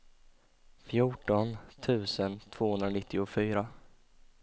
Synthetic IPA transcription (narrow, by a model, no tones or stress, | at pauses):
fjuːʈɔnt̪ʰʉ̟ːsənt̪ʰv̥oːhɵnd̪ɾanɪt̪ʰːɪʊfyːɾa